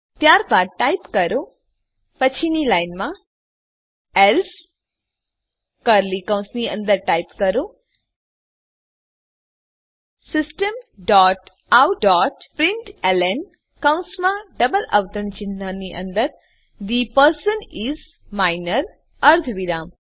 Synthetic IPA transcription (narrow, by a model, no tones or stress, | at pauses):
t̪jaɾbaːd̚ʈajpkɐɾo | pət͡ʃʰinilajnmã | els | kəɾlikãw̃nsniə̰̃nd̪əɾʈajpkɐɾo | sɪsʈəmɖɔʈ | awɖɔːʈpɾĩɳʈelen | kãw̃nsmãɖəbəlɐ̰ʋt̪əɾəɳ̃t͡ʃinaniʔə̰̃nd̪əɾ | d̪ipəɾsəniz | maɪnəɾ | əɾt̪ʰʋiɾaːm